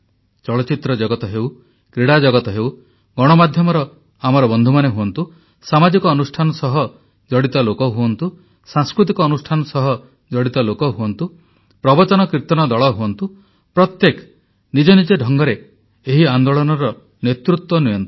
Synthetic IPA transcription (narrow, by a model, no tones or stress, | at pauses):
t͡ʃɔɭɔt͡ʃit̪ɾɔd͡ʒɔɡɔt̪ɔɦew | kɾeɽad͡ʒɔɡɔt̪ɔɦew | ɡɔɽ̃ɔmad̪ʱjɔmɔɾɔ | amɔɾɔbɔnd̪ʱumaneɦuɔnt̪u | samad͡ʒikɔːnusʈʰanɔsɔɦɔ | d͡ʒɔɽit̪ɔlokɔɦuɔnt̪u | sãŋskɾut̪̬ikɔːnusʈʰanɔsɔɦɔ | d͡ʒɔɽit̪ɔlokɔɦuɔnt̪u | pɾɔbɔt͡ʃɔnɔkɾit̪ɔnɔd̪ɔɭɔɦuɔnt̪u | pɾɔt̪jekɔ̥ | nid͡ʒɔnid͡ʒeɖʱɔŋɡɔɾe | eɦiand̪oɭɔnɔɾɔ | net̪ɾut̪wɔnijɔnt̪u̥